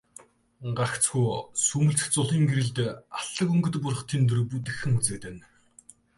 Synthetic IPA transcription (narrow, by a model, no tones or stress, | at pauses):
ɢakt͡sxujsɵmɵ̆ɮt͡sɘ̥̆xt͡sʊɮiːŋɡeɾɘ̆ɮt̪aɬə̆kɵŋɡɵ̆t̪pʊr̆χt̪ʰiːnt̪ɵ̆rput̪ɘ̆xɘ̆ŋut͡sɘ̆k̚t̪ɘ̆n